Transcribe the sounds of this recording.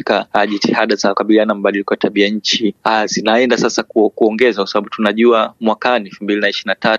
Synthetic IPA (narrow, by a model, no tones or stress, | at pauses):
kaʄitihaɗazakaɓilianam̩ɓalilikɔatʰaɓiaɲ̩t͡ʃiazinaɛndasasakkuɔŋɡɛzakwasaɓaɓutunaʄuamwakaniɛfumbilinaiʃiɾinata